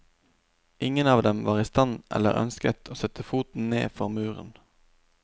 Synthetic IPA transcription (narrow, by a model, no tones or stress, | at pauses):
ʔɪŋənɑːʋd̪ɛmʋɑːʁiːst̪ɑnʔɛ̰lə̰ʁœ̰nskət̪ʰoːsœt̪əfuːt̪n̩nḛːfɔʁmʉːʁə̰n